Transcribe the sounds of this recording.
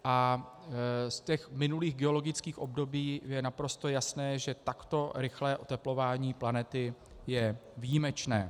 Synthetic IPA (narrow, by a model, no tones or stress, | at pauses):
ʔa | scɛxmɪnuliːɣɡɛo̞lo̞ɡɪt͡skiːxʔo̞bdo̞biːjɛnapɾo̞st̪o̞jasnɛːʒɛt̪akt̪o̞ɾɪxlɛːʔot̪ɛplo̞vaːɲiːplanɛt̪ɪjɛvijimɛt͡ʃnɛː